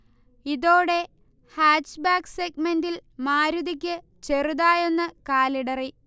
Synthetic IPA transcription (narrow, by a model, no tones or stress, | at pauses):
iðo̞ːɽe̞ | haːt͡ʃːbaːkseɡmendilmaːɾuðik̬ʲːɨ | t͡ɕe̞ruðaːje̞nːɨkaːliɽɐri